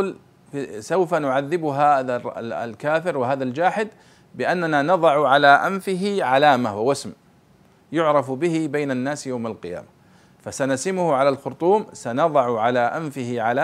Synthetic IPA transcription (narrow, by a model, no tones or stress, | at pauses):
l | fsawfanʊʕaðːɪbʊɦaða̰lkaːfɪɾwɪɦaːðald͡ʒaːħɪd̪ | bɪʔanːananɑðˤɑʕʕalaːʔanfɪɦɪʕalaːmawawasm | jʊʕɾˤɑfbɪhɪbajnanːaːsjawmalqɪja̰ːma | fasanasɪmʊhʊʕalalxʊɾt̪ˤuːmsanɑðˤɑʕʊʕalaʔanfɪhɪʕalaː